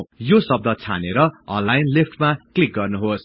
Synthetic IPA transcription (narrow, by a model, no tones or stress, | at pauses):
josʌb̚d̪ʱʌt͡sʰa̰neɾʌʌ̰̃nlajnlipʈmaklik̚ɡʌrnuɦos